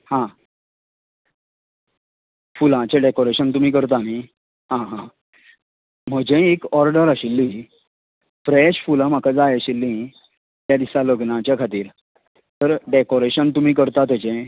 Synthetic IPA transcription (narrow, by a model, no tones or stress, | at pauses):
hã | fulãt͡ɕeɖekoɾeɕənt̪um̤iːk̬əɾt̪̬ani | ɦãɦã | m̤əd͡ʑẽekɔɾɖəɾəɕilːĩː | fɾeɕfulãmakʰad͡zajaɕilːĩ | t̪jad̪isaləɡnãt͡ɕjakʰat̪iːɾ | t̪əɾɖekoɾeɕənt̪um̤iːk̬əɾt̪at̪et͡ɕẽ